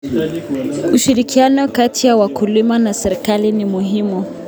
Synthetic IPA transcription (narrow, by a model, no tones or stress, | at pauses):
uʃiɾikianɔkatʰijawakʰulimanasɛɾikalinimuɦimu